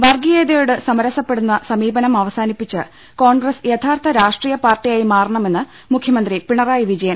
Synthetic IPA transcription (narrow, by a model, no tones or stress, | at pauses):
ʋɐrɡijeːðɐjouɽɨsɐmɐɾɐsɐpːeɽunːɐsɐmiːbɐnɐmɐʋɐsaːnipːit͡ɕːɨ | ko̞ːɳɡresjet̪ʰaːrt̪ʰɐɾaːʂʈriːjɐpaːrʈːijaːjimaːrɐɳɐme̞nːɨ | mukʰjɐmɐnd̪ripiɳɐraːjiʋid͡ʑɐjɐn